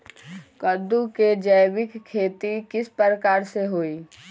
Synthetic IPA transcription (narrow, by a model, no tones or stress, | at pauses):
kəd̪uked͡ʒəjʋɪkkʰːeːt̪ikɪspəɾəkaːɾseɦoːiː